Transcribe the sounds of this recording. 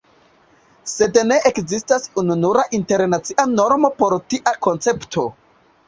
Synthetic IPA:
se̞dne̞ʔekzistasununuɾaʔinte̞ɾnat͡siʔano̞ɾmo̞po̞ɾtiʔako̞nt͡se̞ptʰo̞

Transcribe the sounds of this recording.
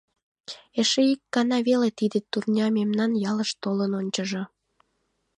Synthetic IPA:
eʃeikːɑnɑβelet̪id̪et̪urnʲɑmemnɑnjɑləʃt̪olənonʲt͡ɕəʒo

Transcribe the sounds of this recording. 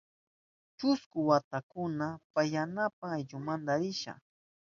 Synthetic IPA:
t͡ʃʊskʊwat̪akʊnapajanap̚aajʎʊmand̪aɾɪʃa̰

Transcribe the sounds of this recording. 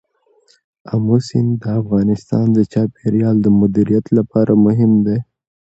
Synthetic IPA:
amosind̪əafɣɑnɪst̪ɑnd̪ət͡ʃɑpeɾjɑld̪əmʊd̪iɾijat̪lapɑɾamʊɦɪmd̪e

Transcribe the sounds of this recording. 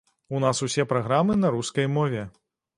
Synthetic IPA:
unasusʲɛpɾaɣɾamɨnɐɾuskɐjmɔvʲɛ

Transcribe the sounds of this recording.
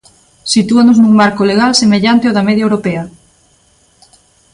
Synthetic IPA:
sit̪uanoznuŋmaɾkoleɣalsemeʎant̪eoðɐmeðjaewɾopeɐ

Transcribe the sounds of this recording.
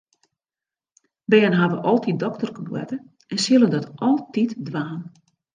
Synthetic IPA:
bɛːənɦaʋəʔɔlˠtidɔktərkəbwɛ̰tə | ɛnsilˠəndɔtʔɔlˠtitdʋaːn

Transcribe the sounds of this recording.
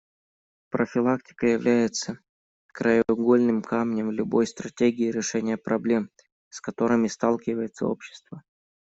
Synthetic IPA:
pɾəfʲɪlˠak̚tʲɪ̥kəjɪvlʲæjɪt̪sə | kɾəjʊɡolʲnɨmkʰamnʲəmlʲʊbo̞jst̪ɾɐtʲeɡʲɪɪɾʲɪʂɛnʲɪjəpɾɐblʲe̞m | skɐt̪o̞ɾɨmʲɪst̪alˠkʲɪvəjɪt̪sə̰o̰pɕːɪ̥st̪və

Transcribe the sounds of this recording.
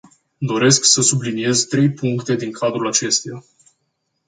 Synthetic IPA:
d̪o̞ɾe̞sksəsublinije̞zt̪ɾe̞jpuŋkt̪e̞d̪iŋkʰad̪ɾulat͡ʃe̞st̪eja

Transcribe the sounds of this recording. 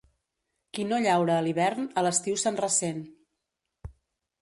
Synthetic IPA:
kinoʎawɾəːliβɛɾnələst̪iwsanrəsen

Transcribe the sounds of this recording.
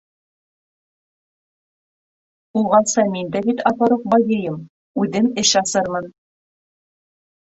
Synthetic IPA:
ulˠʁɑnsɑmind̪æbit̪ɑfɑɾuqbɑjɤ̆jɤm | ʉðɘmɘɕɑsɤɾmɤn

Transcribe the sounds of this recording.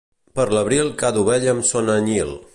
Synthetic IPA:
pəɾləβɾilˠkaðuβɛʎəmsonəɲilˠ

